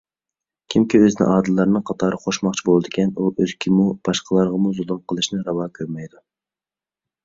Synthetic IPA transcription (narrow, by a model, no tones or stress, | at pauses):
kʲʰimkʲiøzɪnɪ̰ʔɑːd̪ɨlˠːɑɾnɨŋqʰɑt̪ʰɑːɾɨχoʃmɑχt͡ʃʰibolˠɨd̪ɪkʲɛnuʔøzkʲʰimub̥ɑʃqəlˠɑɾʁəmuzolˠumqʰəlˠɨʃnɨɾɑwɑːkʲʰøɾmɛjd̪u